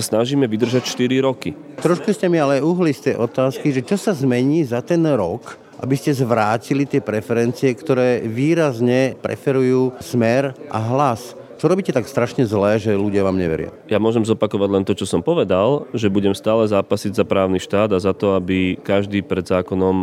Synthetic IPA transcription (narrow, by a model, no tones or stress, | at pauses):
sasnaʒiːmɛʋid̪r̩ʒacʃt̪iɾiɾɔki | t̪ɾɔʃkuscɛmialɛuɦlist̪ɛjʔɔt̪aːskiʒɛt͡ʃɔsazmɛɲiːzat̪ɛnɾɔk | ʔa̰biscɛzʋɾaːcilit̪ɪɛpɾɛfɛɾɛnt͡siɛkt̪ɔɾɛːʋiːɾazɲɛpɾʔɛ̰fɛɾujuːsmɛɾʔa̰ɦlas | t͡ʃɔɾɔbiːcɛt̪akst̪ɾaʃɲɛzlɛːʒɛluɟɪaʋaːmɲɛ̰ʋɛ̰ɾɪa̰jamʊɔʒɛmzɔpakɔʋaɟlɛnt̪ɔt͡ʃɔsɔmpɔʋɛd̪alʒɛbuɟɛmst̪aːlɛzaːpasiɟzapɾaːʊniʃt̪aːd̪azat̪ɔabikaʒd̪iːpɾɛd̪zaːkɔnɔm